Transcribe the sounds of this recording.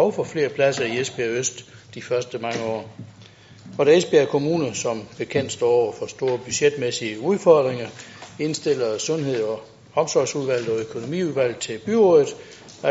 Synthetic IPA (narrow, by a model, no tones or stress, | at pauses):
ɒʊfɒ̽fle̝̰ːɐpʰlæsɐiesb̥iøsd̥ːifɶɐsd̥əmɑ̈ŋəɒ̰ː | ɒd̥æesb̥iɐkʰo̝muːnəsɒ̽mb̥e̝kʰen̰d̥sd̥ɒ̰ːɒʊɐfɒ̽sd̥o̝ːɐb̥yɕed̥mesiəuð̞ˠfɒd̥ʁeŋɐe̝nsd̥e̝l̰ɐsɔ̽nɦe̝ð̞̰ˠɒ | hɒ̽msɒːsuðˠʋæl̰ð̩ˠɒ̽økʰo̝no̝mḭːuðˠʋæl̰ð̩ˠt͡sʰe̝lb̥yɔːðˠð̩ˠ